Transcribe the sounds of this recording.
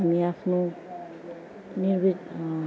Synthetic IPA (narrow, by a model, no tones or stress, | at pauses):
amiapʰno | niɾbi